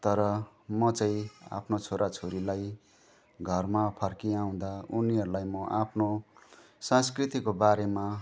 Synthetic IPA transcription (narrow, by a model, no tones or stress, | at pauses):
t̪ʌɾʌ | mʌt͡sʌ̃ĩa̰pʰnot͡sʰoɾʔat͡sʰoɾilaj | ɡʱʌrmapʰʌrkiaw̃d̪auniɦʌɾulajmʌʔapʰno | sãskrit̪ikobaɾema